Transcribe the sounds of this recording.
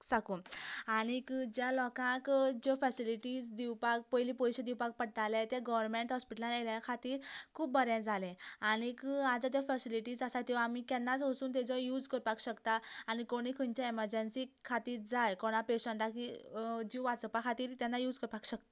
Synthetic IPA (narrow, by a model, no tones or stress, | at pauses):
sakuːnaɽikd͡ʑjalɔkãkd͡ʑɔfəsiliʈid͡zd̪iwpak̚pəjlipɔjɕed̪iwpak̚pəɽʈ̪alɛ̃t̪jaɡɔʋəɾmeɳʈɦɔspiʈəlãneljaakʰat̪iːɾkʰuːbːəɾɛ̃d͡zʱalɛ̃aɽ̃ikat̪ət̪̬jafəsiliʈiːd͡zəsat̪iʋaamikɛnːat͡sʋəsuːnt̪̬ɛd͡zɔjuːd͡zkəɾpakɕəkt̪aaɽ̃ikoɽ̃ikʰəɲt͡ɕaeməɾd͡ʑənsikʰat̪iːɾd͡zajkɔɽ̃ãpeɕəɳʈakid͡ʑiʋat͡səpakʰat̪iːɾt̪ɛnːajuːd͡zkəɾpakɕək̚t̪ḁ